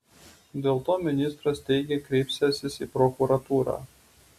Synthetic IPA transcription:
d̪ʲeːlˠt̪oːmʲɪnʲɪst̪ɾɐst̪ʲɛɪɡʲeːkɾʲɛɪpʲsʲɛsʲɪsiːpɾɔkuɾɐt̪uːɾɑ̰ː

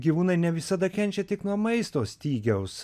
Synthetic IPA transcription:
ɡʲiʋuːnɐɪnʲɛʋʲɪsɐd̪ɐkʲɛnʲt͡ʃʲɛt̪ʲɪknuɔmɐɪst̪oːsʲt̪ʲiːɡʲɛʊs

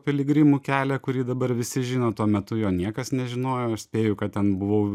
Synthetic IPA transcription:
pʲɪlʲɪɡɾʲɪmuːkʲæːlʲɛkʊɾʲiːd̪ɐbɐɾʋʲɪsʲɪʒʲɪːnoːt̪uɔmʲɛt̪ʊjoːnʲiɛkɐsnʲɛʒʲɪnoːjoːɐʃsʲpʲeːjʊkɐt̪̚t̪ʲɛnbʊʋɐʊ

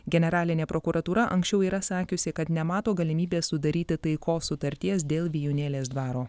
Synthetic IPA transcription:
ɡʲɛnʲɛɾɑːlʲɪnʲeːpɾɔkuɾʔɐt̪uːɾɐʔɐ̰ŋksʲt͡ʃʲɛʊiːɾɐsɑːkʲʊsʲɪkɐt̪nʲɛmɑːt̪oːɡɐlʲɪmʲiːbʲeːssʊd̪ɐɾʲiːt̪ʲɪt̪ɐɪkoːsʊt̪ɐɾʲt̪ʲiɛsd̪ʲeːlˠʋʲɪjuːnʲeːlʲeːs̬d̪ʋɑːɾoː

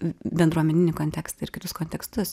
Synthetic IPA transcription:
bʲɛnd̪ɾuɔmʲɛnʲɪnʲɪkoːnʲt̪ʲɛkst̪ɐɪɾkʲɪt̪ʊskoːnʲt̪ʲɛkst̪ʊs

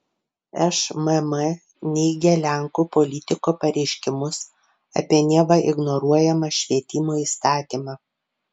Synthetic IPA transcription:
ɛʃmɛmɛ | nʲɛɪɡʲɛlʲæˑŋkuːpɔlʲɪt̪ʲɪkoːpɐɾʲɛɪʃʲkʲɪmʊs | ɐ̰pʲiɛnʲiɛʋɐʔɪɡnɔɾuɔjɛmɐʃʲʋʲiɛt̪ʲɪmoiːst̪ɑːt̪ʲiːmɑː

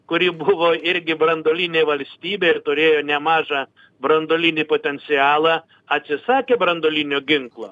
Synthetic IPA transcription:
kʊɾʲiːbʊʋoːɪɾʲɡʲɪbɾɐnd̪oːlʲɪnʲeːʋɐlʲsʲt̪ʲiːbʲeːɪɾt̪ʊɾʲeːjoːnʲɛmɑːʒɑː | bɾɐnd̪oːlʲɪnʲiːpoːt̪ʲɛnʲt̪sʲɪɑːlˠɑː | ɐt̪ʲsʲɪsɑːkʲeːbɾɐnd̪oːlʲinʲoːɡʲɪŋklˠo̰ː

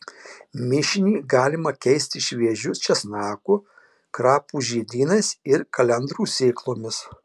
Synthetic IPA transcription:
mʲɪʃʲɪnʲiːɡɑːlʲɪmɐkʲɛɪsʲt̪ʲɪʃʲʋʲiɛʒʲʊst͡ʃʲɛsnɑːkʊ | kɾɑːpuːʒʲiːd̪ʲiːnɐɪsɪɾkɐlʲɛnd̪ɾuːsʲeːklˠoːmʲɪs

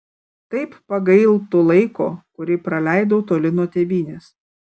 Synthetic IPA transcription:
t̪ɐɪppɐɡɐɪlˠt̪ʊlˠɐɪkoːkʊɾʲɪpɾɐlʲæɪd̪oːt̪oːlʲɪnoːt̪ʲeːbʲiːnʲeːs

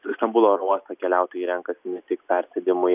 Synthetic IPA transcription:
st̪ɐmbuːlˠoːɾuɔst̪ɐkʲɛlʲɛʊt̪oːjiːɾʲɛŋkɐsʲɪnʲɛt̪ʲɪkpʲɛɾʲsʲɛd̪ʲɪmʊ

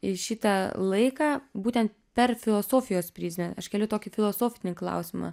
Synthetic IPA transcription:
ɪʃʲɪt̪ɐlˠɐɪkɑːbuːt̪ʲɛnt̪̚pʲɛrfʲɪlˠoːsoːfʲɪjoːspʲɾʲiːsʲmʲɛnɐʃkʲɛlʲʊt̪oːkʲɪfʲɪlˠoːsoːfʲɪnʲɪklˠɐ̰ʊsʲɪmɑ̰

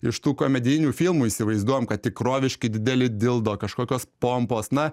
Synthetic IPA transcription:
ɪʃt̪uːkoːmʲɛd̪ʲɪjɪnʲuːfʲilˠmuːiːsʲɪʋɐɪzd̪uɔjɛmkɐt̪̚t̪ʲɪkɾoːʋʲɪʃʲkʲɪd̪ʲɪd̪ʲɛlʲɪd̪ʲɪlˠd̪oːkɐʃkoːkʲoːspoːmpoːsnɐ

